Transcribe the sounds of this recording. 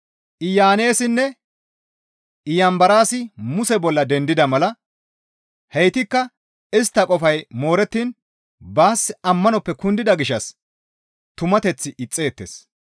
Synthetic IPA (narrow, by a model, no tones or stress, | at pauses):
ʔɪjaːneːsɪnːɛ | ɪjɐmbɐɾaːsɪmʊsɛbɔlːɐd̪ɛnd̪ɪd̪ɐmɐlɐ | hɛjt̪ɪkːɐ | ɪst̪ːɐkʼɔfɐjmo̞ːɾɛt̪ːiːn | baːsɐmːɐnɔpːɛkʊnd̪ɪd̪ɐɡɪʃɐs | t̪ʊmɐt̪ɛt͡sːɪʔɪt͡sʼːe̞ːt̪ːḛːs